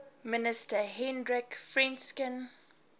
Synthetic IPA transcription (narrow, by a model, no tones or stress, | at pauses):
mɪnɪstəɦɛ̃ndɹɪkfɹɛ̃nskɪ̃n